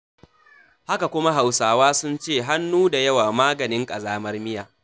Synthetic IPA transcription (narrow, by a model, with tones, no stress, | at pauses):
ha˦ka˨kʷʊ˦ma˦ɦa˨wsaː˨waː˦sʊ˦nt͡ʃeː˦˨ɦa˦nːuː˦da˨jɐ˦waː˨maː˦ɡɐ˨nɪ˦ŋkʼɐ˨zaː˦mɐ˦rmɪ˦jaː˨